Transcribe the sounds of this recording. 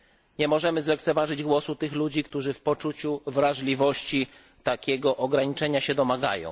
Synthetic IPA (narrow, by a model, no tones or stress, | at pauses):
ɲɛmɔʐɛmɘzlɛkt̪sɛvaʐɘd͡ʑɡwɔsut̪ɘxlud͡ʑikt̪uʐɘfpɔt͡ʂut͡ɕuvɾaʐlʲivɔɕt͡ɕi | t̪akʲɛɡɔʔɔɡɾaɲit͡ʂɛɲaɕɛd̪ɔmaɡa̰jɔ̰̃w̃